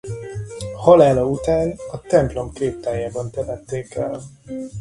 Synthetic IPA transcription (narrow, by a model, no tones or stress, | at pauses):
hɒlaːlɒut̪aːnɒt̪ɛmplo̞mkeːp̚t̪aːjaːbɒnt̪ɛvɛt̪ːeːkɛl